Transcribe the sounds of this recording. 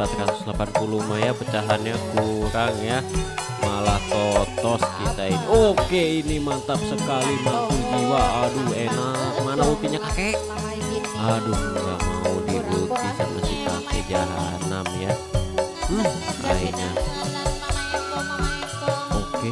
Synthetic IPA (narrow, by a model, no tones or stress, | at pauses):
at̪ɾat̪ʊ̥slapanpulumajapət͡ʃaɦanɲakuɾaŋja | malaht̪ot̪ɔskit̪ainiokeinimat̪ap̚səkalimat̪ud͡ʒiwaːduenak̚manabuk̪iɲakake | adukɾamaudiɡut̪ikanasik̪aked͡ʒaɦa̰namja | a̰ḭɲa | oke